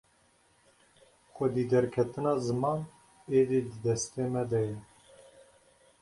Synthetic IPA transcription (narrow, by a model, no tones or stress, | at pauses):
xʷɛd̪iːd̪ɛɾkʰɛt̪ɨnɑːzɨmɑːn | eːd̪iːd̪ɨd̪ɛst̪eːmɛd̪ɛjɛ